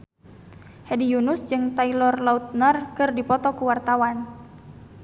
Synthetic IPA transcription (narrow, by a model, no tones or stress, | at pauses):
hɛdijunʊsd͡ʒɨŋt̪ailɔrlaut̪̚nərkɨrdipɔt̪ɔkuwart̪awan